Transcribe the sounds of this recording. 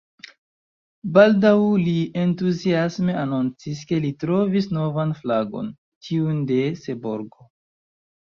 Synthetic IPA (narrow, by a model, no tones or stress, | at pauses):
baldawlientuziasme̞anont͡siske̞litɾo̞visno̞vanflaɡo̞̰n | tʰiunde̞se̞boɾɡo̞